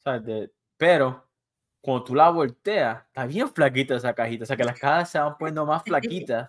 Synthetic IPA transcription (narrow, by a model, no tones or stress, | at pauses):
saβed̪e | peɾo̞ | komot̪ulaβolt̪e̞at̪aβjeflak̬it̪aesakahit̪aoseake̞lahkasaseβampwend̪omasflakit̪a